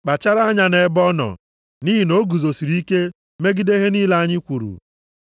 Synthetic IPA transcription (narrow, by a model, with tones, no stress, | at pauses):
k͡pa˨t͡ʃa˦ɾa˦ɲa˦ne˨˦bɔ˦nɔ̰˨ | ni˦ɦi˨no˦ɡu˨zo˨si˨ɾi˦ke˦ | me˦ɡi˦de˦ɦe˦niː˦la˦a˦ɲɪ˦kʷu˨ɾṵ˨